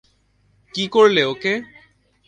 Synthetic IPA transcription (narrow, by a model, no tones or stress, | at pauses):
kikoɹleoke